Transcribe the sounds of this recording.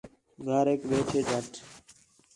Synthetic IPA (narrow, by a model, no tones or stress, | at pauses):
ɡʱəːɾɦeːkʋeːʈʰeːd͡ʒʱəʈʰ